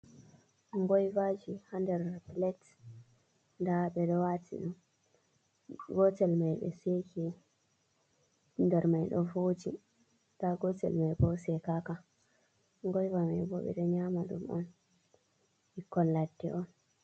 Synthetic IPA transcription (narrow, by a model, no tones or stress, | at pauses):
ŋɡɔjvad͡ʒihandɛɾplɛt | ndaɓɛɗɔwatʰḭɗum | ɡɔtɛlmajɓɛ̰sekʰɛ | ndɛɾmajɗɔvod͡ʒi | taɡɔtɛ̰lmajbɔsɛkaka | ŋɡɔjvamajbɔɓɛ̰ɗɔɲamaɗṵmɔ̰n | ikːɔlːadːɛʔɔn